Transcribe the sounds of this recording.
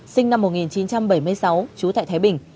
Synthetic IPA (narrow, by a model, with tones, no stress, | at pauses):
sï˧ŋ̟na˧mːo˨˩t̚ŋi˨˩nt͡ɕi˨˦nt͡ɕa˧mɓə˧˩jmɨ˧əjsa˨˦wt͡ɕu˨˦t̪a̰ː˧˨t̪ʰaː˨˦jɓï˨˩ŋ̟